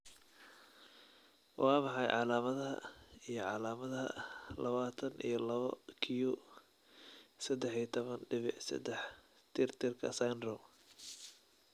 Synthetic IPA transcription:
wʔɑːmɑħɑjʕɑ̰laːmɐðɐɦɐ̰ijɞʕɑlaːmɐðɐɦɐ̰lɐβaːt̪ʰɐnḭjɞlɐβɐkʰiju | sɐd̪ɛħit̪ʰɔβɐnɖɪβɪħsɐ̰d̪ɛħ | t̪ʰɪrt̪ʰɪrkʰɐ̰sajnrɔm

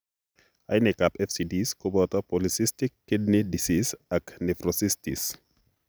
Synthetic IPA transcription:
ajnɛkapɛfsidiskubɔt̪ɔpolisistikːid̚nidisisɐknɛfɾɔsistḭs

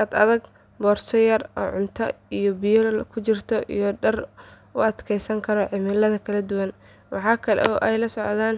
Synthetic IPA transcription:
ɐd̪ɐðɐɡ | bɔːrsɔjɐrɔ̰ːʕʊnt̪ʰɐ̰ijɔbijkʰʊt͡ʃɪrt̪ʰɔʔijɔɖɐr | ʊɐd̪kʰɛjsɐŋkʰɐɾɔʕɪmɪlɐðɐkʰɐlɐd̪ʊwɐn | wɑħɑːkʰɐlɛ̰ɔʔɛjlɐsɔʕðaːn

